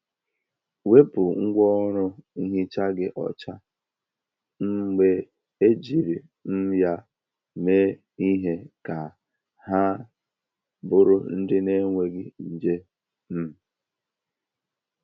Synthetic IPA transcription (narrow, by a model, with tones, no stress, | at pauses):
we˦pʊ˨ŋ̩˦ɡʷɔ˦ɾʊ˦i˦ɦi˦t͡ʃa˦ɡɪ˦ʔɔ̰˨t͡ʃa˦ | ŋ̩˦ɡ͡be˦ | e˦d͡ʒi˨ɾi˨ | n̩˦ja˦ | me˦ | i˦ɦe˦ka˨ | ha˦ | bʊ˦ɾʊ˦n̩˦dɪ˦ne˦ŋʷe˨ɡɪ˦n̩˨d͡ʒe˦ | m̩˦˨